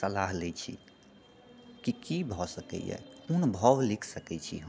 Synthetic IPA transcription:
səlaɦlɛt͡ʃʰḭ | kikibʱɔsəkɛ̰jɛ̰kunbʱɔʋlikʰsəkɛt͡ʃʰḭɦ

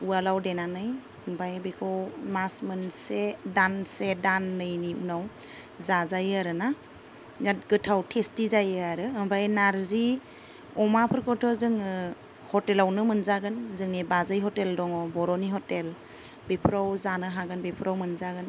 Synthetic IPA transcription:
ualawdenanɯj | mbʱajbekʰɔwmasmɯnsedansedanːɯjniṵnaw | zazajaɾɯna | jatɡɯtʰawtʰestizajɯaɾɯːmbajnaɾzi | ɔmapʰɯɾkʰɔtʰɔzɯŋɯ | hɔtelawnɯmɯnzaɡɯnzɯŋnibazɯjɦɔteldɔŋɔbɔɾɔniɦɔtel | bepʰɾawzanɯɦaɡɯnbepʰɾʔawmɯnzaɡɯn

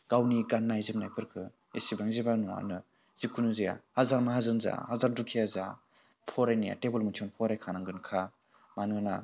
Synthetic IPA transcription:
ɡ̥awniɡanːajzim̚najpʰɯɾkʰɯ | isibaŋzibanua̰nɯ | z̥ikʰunuzija̰hazaɾmaɦazɯnza̰hazaɾdukʰijaza̰ | pʰɔɾajnija̰tebɯlmɯtʰɔnpʰɔɾajkʰanaŋɡɯnkʰa | manɯna

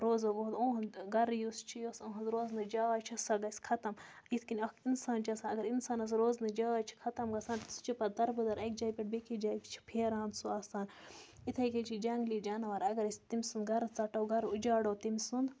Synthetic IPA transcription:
ɾoːzoɡoɦd̪õːɦɐnɡɐɾjust͡ʃʰijosõːɦɐzɾoːznɨd͡ʒaːʋat͡ʃʰɐsɐɡɐsʲkʰɐt̪ɐmit̪ʰkinʲɐkinsaːnt͡ʃɐsaɐɡɐɾinsaːnɐs̬ɾoːznɨd͡ʒaːʋaːt͡ʃʰi̥kʰɐt̪ɐmɡɐsaːnst͡ʃipɐd̪ɐɾbɨd̪ɐɾɐkd͡ʒaːjipʲiʈ̚bekid͡ʒaːjʲt͡ʃʰi̥pʰeːɾaːnsuaːsaːnit̪ʰɐjket͡ʃʰid͡ʒɐŋɡliːd͡ʒaːnɐʋɐɾɐɡɐɾisʲt̪imʲsund̪ɡɐɾt͡sɐʈɐwɡɐɾud͡ʒaːɽɐːwt̪imsund̪

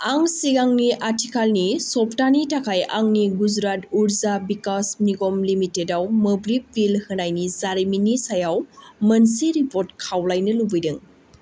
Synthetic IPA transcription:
aŋsiɡaŋniʔatʰikʰalnisɔptanitakʰaja̰ŋniɡud͡ʒɾatuɾzabikasniɡomlimitːedawmɐbɾip̚bilhɯnajnizaɾiminisajawmɐnsiɾipoɾtkʰawlajnɯlubɯjdɯŋ

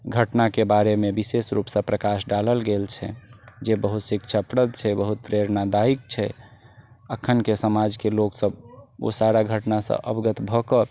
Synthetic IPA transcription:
ɡʱəʈnakebaɾemebisesɾupsə̃pɾəkasɖaləlɡelt͡ʃʰɛ̰d͡ʒebəɦut̪sikt͡ʃʰapɾəd̪t͡ʃʰɛbəɦut̪̚pɾeɾnad̪aik̚t͡ʃʰɛ̰ | əkʰːənkesəmad͡ʒkeloksəbo̰saɾaɡʱəʈnasə̰̃ʔə̰bɡət̪bʱɔkə

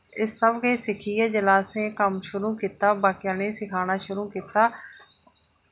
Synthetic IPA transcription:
ɪstəbkeːsɪkʰiːeːd͡ʒəlaːsẽːkəmʃʊɾuːkiːt̪aːbaːkɪjãːneːsɪkʰaːñaːʃʊɾuːkiːt̪aː

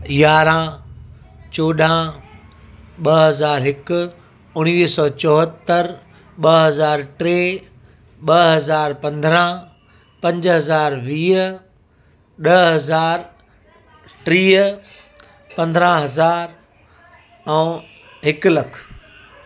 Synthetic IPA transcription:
jaːɾã | t͡ɕoːɗã | ɓɐɦɐzaːɾɦɪkʊ | ʊɽ̃iːsɔːt͡ɕɔːɦət̪ːəɾ | ɓɐɦɐzaːɾʈɾeː | ɓɐɦɐzaːɾpɐ̃nd̪ʱɾã | pɐ̃ɲd͡ʑɦɐzaːɾʋiː | ɗɐɦɐzaːɾ | ʈɾiː | pɐ̃nd̪əɾãɦɐzaːɾ | ɛ | ɦɪkʊlɐkʰ

